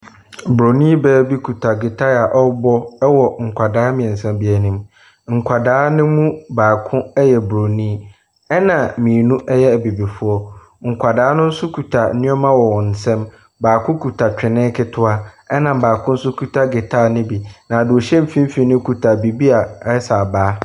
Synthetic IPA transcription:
bɾo˨nĩː˦bɛː˦bi˦kʰu˨tʰa˨ɡɪ˨tʰa˦˨a˨ʔɔ˦bɔ˦wɔ˨ŋ̩˨kʷʰa˨daː˦mɪ̃˨ɛ̃˨n̩˨sɛ̃˦mbi˨ɛ˨nĩ˦m | ŋ̩˨kʷʰa˨daː˨˦nʊ̃˦mũ˦baː˨kʰʊ̃˦ɛ˦jɛ˨bɾo˨nĩː˦ | ɛ˦nã˨mĩ˨nũ˦ʔɛ˦jɛ˦æ˨bi˨bi˨fʊ˦ɔ˦ | ŋ̩˨kʰʷa˨daː˨˦nʊ̃˦n̩˦sʊ˦kʰu˨tʰa˨˦nɪ̃˦ɔ˦mã˦wɔ˨wɔ˨n̩˨sɛ̃˦m | baː˨kʰʊ̃˦kʰu˨tʰa˨t͡ɕᶣɪ˨nɪ̃˦kʰɪ˦tʰʊ˦a˦ɛ˦nã˨baː˨kʰʊ̃˦n̩˦sʊ˦kʰu˨tʰa˦ɡɪ˨tʰa˦˨nɪ̃˦bi˨nã˨a˨dʊ˨o˨ɕɛ̃˦m̩˦fĩ˦m̩˦fi˨nʊ̃˦kʰu˨tʰa˨bi˨bi˦a˨˦sa˨baː˨˦

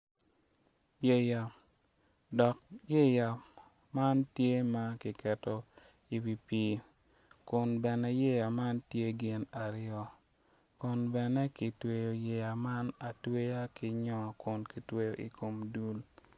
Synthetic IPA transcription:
je˦ja˨ | dɔ˨k̚je˦ja˨ | ma˦ntje˦ma˦kɪ˨kɛ˨tɔ˦ | i˨wi˨pi˦ | kʊ˨nbɛ˨nɛ˨je˦ja˨ma˦ntje˦ɡɪ˨na˨ɾɪjɔ˦ | kʊ˨nbɛ˨nɛ˦kɪ˨twe˨jo˨je˨ja˨ma˦na˨twe˦ja˦kɪ˨ɲɔ˦kʊ˨nki˨twe˦jo˨ʔi˨ko˨mdu˦l

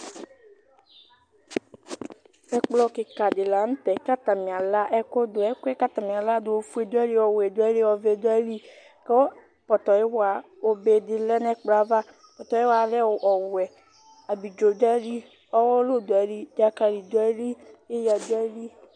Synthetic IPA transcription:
ɛ˦k͡plɔ˦kɪ˨ka˨dɪ˨la˨˦n̩˦t̪ɛ˨˦ka˦ta˨mĩ˨a˨la˦ʔɛ˦ko˦dʊ˨ɛ˦kɛ˦ka˦ta˨m˨a˨la˦dʊ˨o˨fu˦e˨dʊ˦ɛ˦li˦ɔ˨wɛ˨do˦ɛ˦li˦ɔ˨ve˨do˦ɛ˦li˦ | kɛ˦ | pɔ˨t̪ɔ˨ji˦wa˨ | o˦be˨dɪ˨lɛ˦nɛ˦k͡pla˨va˦ | pɔ˨t̪ɔ˨e˦wa˨˦lɛ˦wo˨ʔɔ˨wwɛ˨ | a˨bi˨d͡ʒo˨dɛ˦li˦ | ɔ˦wɔ˦lo˦do˨ɛ˨˦li˦d͡ʒa˨ka˨li˨do˨˦ɛ˦li˦e˦ja˨do˦ɛ˦li˦

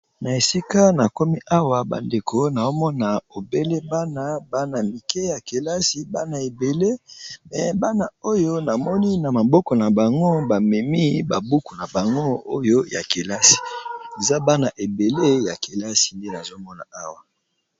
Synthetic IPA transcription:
na˨e˨si˦ka˦na˨ko˦mi˦ʔa˦wa˨ba̰˨nde˨ko˦na˨zo˦mɔ˦na˨o˨be˦le˦ba˦na˨ba˦na˨mi˨kɛ˦ja˨ke˨la˦si˨ba˦na˨e˨be˨le˦mɛ˨ba˦na˨o˦jo˦na˨mɔ˦ni˦na˨ma˨bɔ˦kɔ˨na˨ba˨ŋɡo˦ba˨mɛ˨mi˦ba˨bu˦ku˨na˨ba˨ŋɡo˦o˦jo˦ja̰˨ke˨la˦si̥˨e˨za˦ba˦na˨ʔe˨be˨le˦ja˨ke˨la˦si̥˨nde˦na˨zo˦mɔ˦na̰˨a˦wa˨

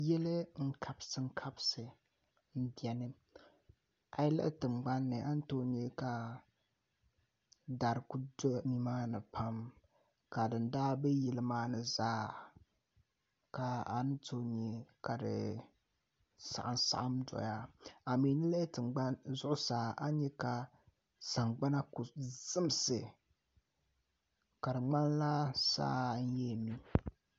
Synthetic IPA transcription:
jɛ˦lɨ˦ŋ̩˦kʰa˨bsɨ˨ŋ̩˦kʰa˦bsɨ˨ | n̩˦bi˨ɛ˨nɨ˦ | a˨jlɨ̰˦ʔtɨ˨ŋ͡mɡ͡ba˦nːɨ˨ʔa˦n˦to˦ɲi˦ka˨ | da˨ɾku˦do˦mi˨maː˦nɨ˨pʰa˦m | ka˨dɨ˨ndaː˦bɛ˦jɛ˨lɨ˦maː˦nɨ˨zaː˦ | ka˨a˨nɨ˦to˦ɲi˨ka˨dɨ̰˨ | sa̰˨ʔa˨nsa̰˦˨ʔa˦mdɔ̰˨ja˦a˨mi˨˦nɨ˦lɛ˦tɨ˨ŋɡ͡ba˦nzʊ˦ʔʊ˦saː˨a˦ɲɛ˦ka˨ | sa˨ŋɡ͡ba˦na˦ku˨z̥ɨ˦m˦sɨ˨ | ka˨dɨ˨ŋ͡ma˦nla˦sa̰ː˦n̩˦jɛ˦˨mi˦

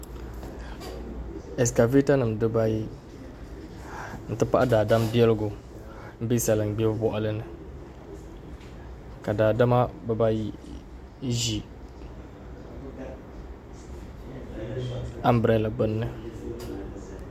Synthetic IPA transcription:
ɛ˨s̬ka˨vi˦ta˦nɨ˨m˨dɨ˦ba˦ji˦ | n̩˦tɨ˦pa˦ʔa˦daː˨da˦mbi˦ɛ˦lɨ˦ɡʊ˨ | m̩˦bi˦sa˨lɨ˨ŋ˨ɡ͡bɛ˦bbɔ˦ʔa˦lɨ˦nɨ˨ | ka˨daː˨da˦ma˦bɛ˦ba˦ji˦ | ʒi˦ | a˦mbɾɛ˨la˨ɡ͡bɨ˦nːɨ˦

